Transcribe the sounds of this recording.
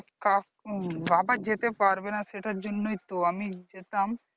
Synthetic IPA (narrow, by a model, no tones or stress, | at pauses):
kakbabad͡ʑet̪epaɾbenaʃeʈaɾd͡ʑonːojt̪oamid͡ʑet̪am